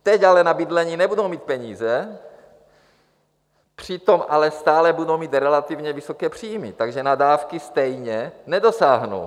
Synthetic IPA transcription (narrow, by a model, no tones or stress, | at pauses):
t̪ɛcalɛnabid̪lɛɲiːnɛbudowmiːt̪̚pɛɲiːzɛ | pr̝̥it̪omalɛst̪aːlɛbudowmiːt̪ɾɛlat̪ivɲɛvisokɛːpr̝̥iːjmit̪aɡʒɛnadaːfkist̪ɛjɲɛnɛdosaːɦno̰w